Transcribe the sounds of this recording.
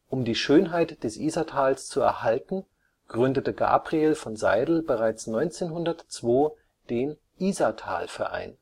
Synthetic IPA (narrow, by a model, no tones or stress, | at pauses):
ʔʊmdiːʃøːnɦaɪtd̥ɛsʔiːzɐtʰaːlst͡suɛ̰ɐhaltn̩ | ɡ̥ʁʏndətəɡa̰ːpʁ̥ieːlfɔnza̰ɪdl̩bəʁaɪt͡snɔʏnt͡seːnɦʊndɐtt͡sv̥oː | d̥eːn | ʔiːzɐtʰa̰ːlfɛɐʔa̰ɪn